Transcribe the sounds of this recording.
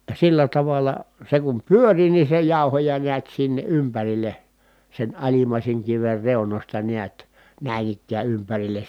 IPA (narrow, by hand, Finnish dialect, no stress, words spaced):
silːæ tɑʋɑlˑɑ se kum pyøri ni se jɑˑu̞hojɑ niæt sinːe ʔympærilˑe sen ɑlimɑˑiseŋ kiʋer reunosʲtɑ niæt næˑin ikːæː ympærilˑes